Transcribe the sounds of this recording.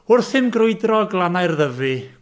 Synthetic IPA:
ʊrθhɪmɡrʊɨdrɔɡlˠanajrðəvɨ

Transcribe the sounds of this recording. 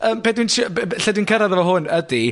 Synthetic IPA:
əːmpʰedwinɬɛdwinkʰəɾaðəvɔɦʊnədi

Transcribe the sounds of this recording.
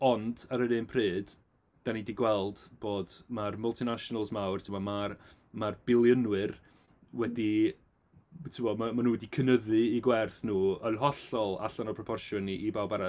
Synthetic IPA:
ɔndaɾənɨːnpʰreːd̥ | d̥anidiɡwɛlˠdb̥oːdmarməlˠtʰinaʃɔnalˠsmawrtʰɪmɔmar | marbɪlˠjənwɨr | wɛdi | tʰɪmɔmamanuːdikʰənəðɨiɡwɛrθnuːɔnɦɔɬɔlˠa̰ɬanɔpʰrɔpʰɔrʃjɔniʔibawbaɾa

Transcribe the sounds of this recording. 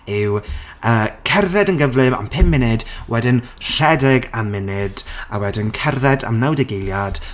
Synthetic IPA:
ɪwəːkʰɛrðɛdənɡəvlɨva̰mpʰɪmːɪnɨdwʔɛdɪn | r̥ɛdɛɡamːɪnɨdawɛdɪnkʰɛrðɛda̰mnawdɛɡejlˠjad̥

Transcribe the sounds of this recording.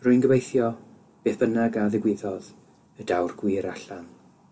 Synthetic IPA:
rʊɨnɡəvejθjɔ | b̥eːθb̥ənaɡaðɪɡwɪðɔð | ədawrɡwiːɾaɬan

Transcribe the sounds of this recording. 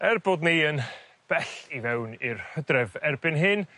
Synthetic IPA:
ɛrbodneən | b̥ɛɬivɛwnɪrhədrɛvɛrbɪnɦɨn

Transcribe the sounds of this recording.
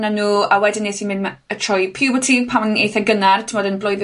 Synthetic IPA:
nanuːawɛdɪneθinmɪndma | ətʰrɔjpʰiwbɔtʰipʰamnejθaɡənartʰɪmɔdənblɔjð

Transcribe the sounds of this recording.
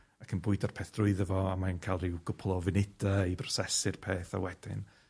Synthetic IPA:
akʰənbʊɨdarpʰeːθd̥rʊɨðəvɔamankʰalˠrɪwɡ̥ʊpʰlˠɔvɪnɪdaibrɔ̥sɛsɨrpʰeːθa̰wɛd̥ɪ̰n

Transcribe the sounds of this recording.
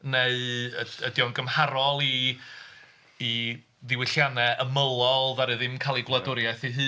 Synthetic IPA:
neɨəədjɔnɡəmhaɾɔlˠi | ðɪwɪɬjanɛʔəməlˠɔlˠvaɾɨðɪmkʰaːlˠiɡlˠədʊɾjaθiɦɨː

